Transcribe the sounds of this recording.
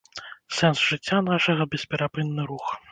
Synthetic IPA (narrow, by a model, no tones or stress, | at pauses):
sɛnsʐɨt͡sʲːanaʂɐɣɐbʲɛspʲɛɾapɨnːɨɾux